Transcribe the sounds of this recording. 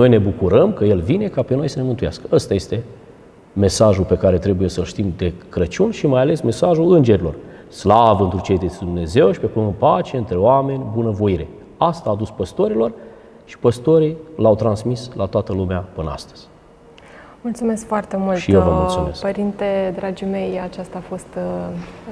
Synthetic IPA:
nojne̞bukuɾəmkəje̞lvine̞kape̞nojsəne̞mɨnt̪uja̰skə̥əst̪aje̞st̪e̞ | me̞saʒulpe̞kaɾe̞t̪ɾe̞buje̞səlʃt̪imd̪e̞kɾət͡ʃunʲʃimajale̞sme̞saʒulɨnd͡ʒe̞ɾilo̞r | slavəɨnt̪ɾut͡ʃejd̪et̪sʲd̪umne̞ze̞wʃi̥pe̞kumɨnpat͡ʃeeɨnt̪ɾe̞oame̞nʲbunəvo̞jiɾe̞̰ | ast̪aːd̪uspəst̪o̞ɾilo̞r | ʃi̥pəst̪o̞ɾilawt̪ɾansmislat̪oat̪əlumeapɨnəa̰st̪ə̥z̥ʲ | mult̪sume̞skfoart̪e̞mulʃij̪ewvəmulsume̞skpəɾint̪ed̪ɾad͡ʒime̞jat͡ʃast̪aːfo̞st̪

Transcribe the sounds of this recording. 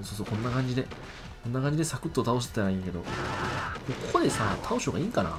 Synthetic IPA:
soːsoːkõ̞nːakãɲ̟d͡ʑid̪e̞ | konːakãɲ̟d͡ʑid̪e̞sakɯ̟t̪ːot̪ao̞ɕ̬t̪et̪aɾaĩŋke̞d̪o̞̰ | kokokod̪e̞sat̪ʰao̞ɕo̞ːɡaiːkana̰

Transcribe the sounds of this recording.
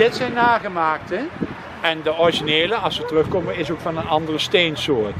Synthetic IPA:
dɪtsɛjnːaːχəmaːk̚tə | ɛndəɔriʒineːləɑsʋətərɵχkɔməɪsowkfɑnənɑndərəstejnsʊːɹt

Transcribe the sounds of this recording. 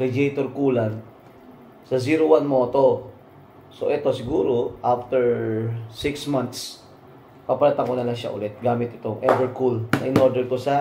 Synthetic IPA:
ɾɛd͡ʒejt̪oɾkuːlan | sɐziːɾowanmoːt̪o̞ | so̞̰ʔɛt̪o̞sɪɡuːɾo̞ʔaft̪ɛɹsɪksmant̪s | papɐlat̪ɐŋkonɐlɐŋʃa̰ʔʊ̰lɛt̪̚ɡaːmɪt̪ʔɪt̪oŋʔɛbɛɹkulnɐʔɪnoɾd̪ɛɾk̪osɐ

